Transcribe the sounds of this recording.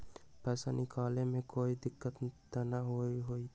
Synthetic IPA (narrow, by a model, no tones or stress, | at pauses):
pɛːsanɪkaːlemẽkoːid̪ɪkːət̪t̪anaɦoiɦoi